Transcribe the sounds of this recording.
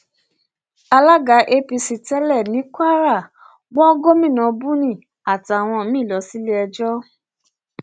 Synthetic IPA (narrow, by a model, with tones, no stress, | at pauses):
a˧la˦ɡa˨˦ʔe˦pi˧si˨˧tɛ˦lɛ˦˨nĩ˨˦kʷa˦ɾa˦˨ | ɡ͡bɔ̃˦ɡo˦mĩ˦˨nã˨˦bũ˦nĩ˦˨ | a˨tːw̃ɔ̃˧˦mĩ˦˨lɔ˨˦si˦le˦ɛ˧d͡ʒɔ˦